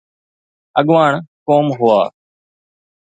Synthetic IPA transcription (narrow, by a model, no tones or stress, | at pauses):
əɠʋaːɳkoːmɦʊa̰ː